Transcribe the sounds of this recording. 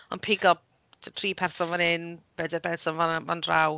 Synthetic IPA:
ɔnpʰɪɡɔ | tʰtʰriːpʰɛrsɔnvɔnɪnb̥ɛdɛbɛnsɔnvavandraw

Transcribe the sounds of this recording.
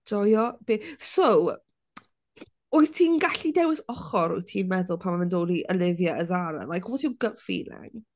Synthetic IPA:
ɔjɔb̥eso | oɨθtʰiːnɡaɬidɛwɪsɔχɔɾɔɨθtʰiːnmɛðʊlˠpʰamamɛndoɾiʔəlˠɪvjaʔəzaɾə̰nlˠajkʰwɔtʰiɡ̥əpfḭːlɪ̰ŋ

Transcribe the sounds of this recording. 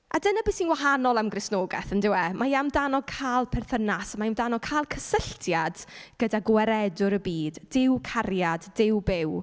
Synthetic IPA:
adənabɪsinwaɦanɔlˠamɡrɪsnoːɡɛ̰θəndɪwɛmajamdanɔkʰaːlˠpʰɛrθənasamaamdanɔkʰaːlˠkʰəsəɬtʰjad̥ɡ̥ədaɡwɛɾɛdʊɾəbiːdɪwkʰarjadːɪwbɪw

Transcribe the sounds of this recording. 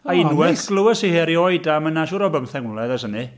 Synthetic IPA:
aɪnwɛɬɡ̥lˠəwəsiheɾiɔjdamənaʃuɾɔbəmθɛŋwlˠɛðɛsəni

